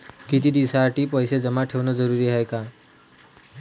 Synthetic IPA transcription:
kit̪iːd̪isaʈiːpəjsed͡zəmaʈʰeʋnəd͡zəɾuɾiɦajka

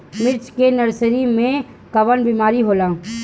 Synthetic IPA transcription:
mɪɾt͡ʃkenɐɾsəɾimẽ | kɐʋənbiːmaːɾiɦoːlaː

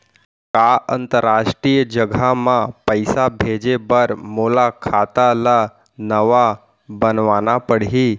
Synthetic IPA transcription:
kaʔənt̪əɾːaʂʈɾijəd͡ʑəɡʱamapəjsabʱed͡ʑebəɾmolakʰat̪ala | nəʋa | bənʋanapəɽɦi

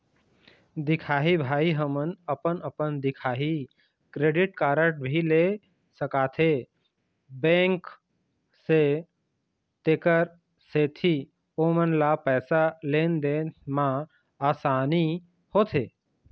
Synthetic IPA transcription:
d̪ɪkʰaːɦibʱaːiɦəmənəpənəpənd̪ɪkʰaːɦi | kɾeːɖɪʈkaːɾəʈ̚bʱile | səkaːt̪ʰe | bẽːŋk | se | t̪eːkəɾ | set̪ʰi | oːmənlapɛːsaleːnd̪emã | aːsaːni | hoːt̪ʰeː

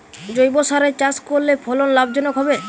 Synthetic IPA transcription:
d͡ʑojbosaɾet͡ɕaskoɾlepʰɔlonlabd͡ʑɔnokɦɔbe

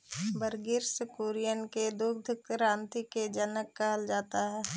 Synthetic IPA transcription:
bəɾɡiːɾsəkuːɾɪjənked̪ʊk̚d̪ʱək̚kɾãːnt̪iked͡ʒənəkːəɦəld͡ʒaːt̪aɦɛː

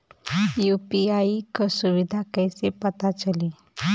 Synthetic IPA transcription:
jupiaikəsuʋid̪ʱakəjsepət̪at͡ʃəli

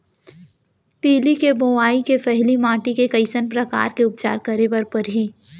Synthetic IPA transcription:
t̪iːlikeboaːikefʰɛɦlimãːʈikekɐɪsənpɾɐka̰ːɾkeʊp̚t͡ʃa̰ːɾkɐɾebɐɾpɐɾɦi

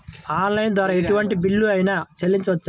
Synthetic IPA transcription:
aːnlɐjnd̪ʋaːɾɐeʈuʋɐɳʈibiɭːuɐjinaːt͡ʃelːiɲt͡ʃɐʋɐt͡ʃː

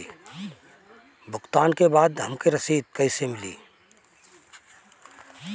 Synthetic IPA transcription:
i | bʊkt̪aːnkebaːd̪ɦɐmkeɾɐsiːd̪̚kɐɪsemɪlḭː

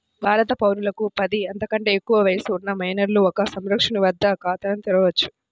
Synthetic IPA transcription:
bʱaːɾɐt̪ɐpɐwɾulɐkupɐd̪iɐnt̪ɐkɐɳʈe̞ːekːuʋɐʋɐjɐsuunːɐmɐjnɐɾluɔkɐsɐmɾɐkʂɐɳiʋɐd̪ːɐkaːt̪ɐɾɐnt̪iɾɐʋɐt͡ʃːu̥

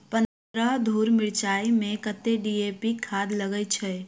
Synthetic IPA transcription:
pən | ɾəɦd̪ʱuːɾmɪɽt͡ʃaːimẽkət̪ːeɖiepikʰaːd̪ləɡət͡ʃʰɛ

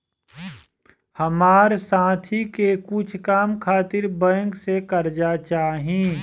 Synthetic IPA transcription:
həmaːɾsãːt̪ʰikekʊt͡ʃʰkaːmkʰaːt̪ɪɾbə̃ŋksekɐɾd͡ʒat͡ʃaːɦĩ

